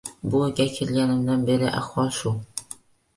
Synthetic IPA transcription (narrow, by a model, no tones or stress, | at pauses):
buɡʲækʲʰelɡʲænɪ̆md̪ænbeɾɪʔæ̰χwɑʃu